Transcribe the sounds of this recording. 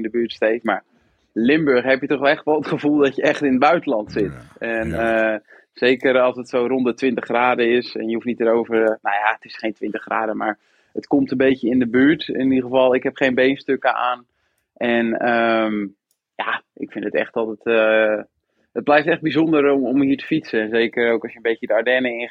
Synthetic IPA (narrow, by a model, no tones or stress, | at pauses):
ndəbyːətstejfma̰ɹ | lɪmbøɹχɦɛpjətɔχlˠɛxtʋɔlˠətχəvulˠdɔtjəɛχtɪnəbœɥtəlɑntsɪtɛnə | seːkəɾɑlˠsətsowrondətʋɪntəχraːdəɪsɛ̰njəufnit̚əɾowvərnajaətɪsχejntʋɪntəχra̰ːdəmaɹ | ətkomtənbejəɪndəbyːɹtɪniχəvɑlˠɪkɦɛpχejnbejnstøkəʔaːn | ʔɛnəm | jaʔɪkfɪndətɛ̰χtɔlˠtətə | ət̚blɛjftɛχ̚bizondəɾomhiːtə̥fitsəɛnzeːkəɾowkɔsjənmbejkədəaɹdɛnəɪ